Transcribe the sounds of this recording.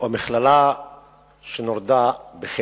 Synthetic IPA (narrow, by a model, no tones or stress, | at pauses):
oamiχlala | ʃenoɾd̪abeχe